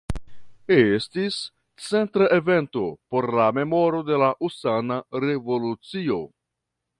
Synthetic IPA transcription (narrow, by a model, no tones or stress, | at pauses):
estis | t͡se̞ntɾaʔe̞ve̞nto̞po̞ɾlame̞mo̞ɾo̞de̞laʔusanaɾe̞vo̞lut͡sio̞